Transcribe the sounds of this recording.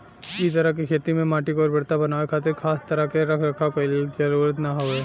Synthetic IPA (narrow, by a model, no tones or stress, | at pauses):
it̪əɾəkikʰeːt̪imẽmaːʈikɔːɾbɐɽt̪abɐnaːʋekʰaːt̪ɪɾkʰaːst̪ɐɾəkeɾɐkʰɾəkʰapɐld͡ʒɐɾuːɾət̪naɦoe